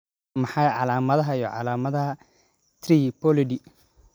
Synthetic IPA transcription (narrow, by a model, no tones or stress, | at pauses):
mɑħɑjʕɑlaːmɐðɐɦɐijɔʕɑ̰laːmɐðɐɦɐ | t̪ʰriːpɔlɪɖi